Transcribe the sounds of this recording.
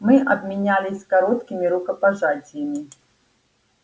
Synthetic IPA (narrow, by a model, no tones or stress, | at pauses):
mɨʔɐbmʲinʲalʲɪsʲkaɾɔt̪kʲimʲiɾukɐpaʐat͡sʲijɐmʲi